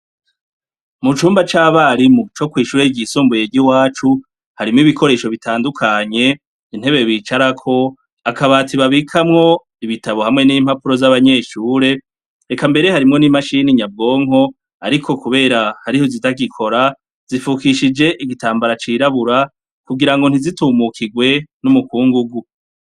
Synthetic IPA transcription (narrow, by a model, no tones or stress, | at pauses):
mut͡ʃuːmbat͡ʃaːβaɾimut͡ʃo̞kwiːʃuːɾeɟisuːmbuje̞ɟiwaːt͡ʃu | haɾimŋiβikʰo̞ɾe̞ːʃo̞βitʰaːndukʰaɲe̞ | in̥e̞βe̞βiːt͡ʃaɾakʰo̞ | akaβaːtiβaβikʰamŋo̞ | iβitʰaβo̞hamŋe̞niːm̥hapuɾo̞zaβaɲe̞ːʃuːɾe̞ | ekambe̞ɾe̞haɾimŋo̞nimaʃiːniɲab̚ɡo̞ːŋɦo̞ | a̰ɾikʰo̞kuβe̞ːɾahaɾiho̞zitaɡikʰo̞ɾa | z̥ifukiʃid͡ʒe̞ʔiɡitaːmbaɾat͡ʃiːɾaβuɾa | kuɡiɾaŋɡo̞n̥izituːmukʰiɡwe̞numukuːŋɡuɡu